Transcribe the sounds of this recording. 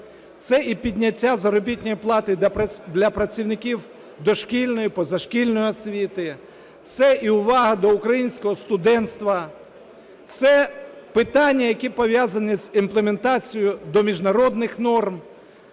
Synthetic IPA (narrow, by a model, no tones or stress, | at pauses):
t̪sɛʔipʲidʲnʲɐtʲːazɐɾɔbʲitʲnʲɔjiplˠɑt̪ɪd̪lʲɐpɾɐt͡sʲiwnɪkʲiw | d̪ɔʃkʲilʲnɔjipɔzɐʃkʲilʲnɔjiɔsʲʋʲit̪ɪ | t̪sɛʔiʊʋɑɦɐd̪ɔʊkɾɐjinʲsʲkɔɦɔst̪ʊd̪ɛnt̪st̪ʋɐ | t̪sɛpɪt̪ɑnʲːɐjɐkʲipɔʋʲjazɐnizimplˠement̪ɑt͡sʲijʊd̪ɔmʲiʒnɐɾɔd̪nɪxnɔrm